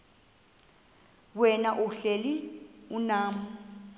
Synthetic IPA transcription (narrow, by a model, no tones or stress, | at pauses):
wwɛnaʔuɬeliunaːm̩